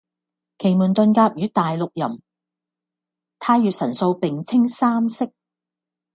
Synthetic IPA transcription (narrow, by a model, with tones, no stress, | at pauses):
kʰe˨˩jmuː˨˩nt̪ɵ˧nkaː˧p̚jyː˨˥t̪aː˨jlʊ˨k̚jɐ˨˩m | t̪ʰaː˧jyː˨t̚sɐ˨˩nso˧wpɪ˨ŋt͡sʰɪ˥ŋsaː˥msɪ˥k̚